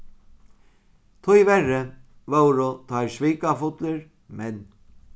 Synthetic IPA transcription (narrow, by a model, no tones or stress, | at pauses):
t̪ʰʊjʋɛrəʋowɾʊt̪ʰajsʋiːkafʊt̪lɪɾ | mɛn